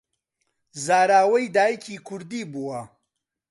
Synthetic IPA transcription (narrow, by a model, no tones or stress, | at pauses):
zaːɾaːwɐjd̪aːjkʰiːkʰʊɾd̪iːbuwɐ